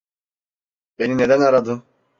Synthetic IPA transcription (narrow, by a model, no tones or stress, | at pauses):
benined̪ænaɾad̪ɯ